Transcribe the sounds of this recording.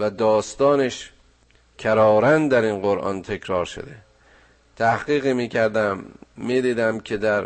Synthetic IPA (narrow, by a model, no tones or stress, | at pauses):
væd̪ɒːst̪ɒːneʃ | cʰæɾɒːɾænd̪æɾinɢoɾʔɒ̰nt̪ʰe̞kʰɾɒːɾʃo̰d̪ḛ | t̪ʰæhɡiːɣiːmiːcʰæɾd̪æmːiːd̪iːd̪æmkʰed̪æɾ